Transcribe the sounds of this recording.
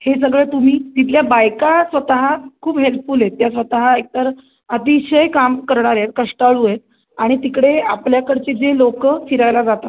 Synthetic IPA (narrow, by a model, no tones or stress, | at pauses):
hes̬əɡɭet̪um̤iːt̪it̪̬ljabajkasʋət̪əɦakʰuːbɦelpfuːlet̪ːjasʋət̪əɦaek̚t̪əɾ | ət̪iɕəjkamkəɾɳ̃aɾet̪̚kəʂʈaɭujet̪̚ | aɽ̃it̪ikɽeapljakəɾt͡ɕed͡zelokəfiɾajlad͡zat̪at̪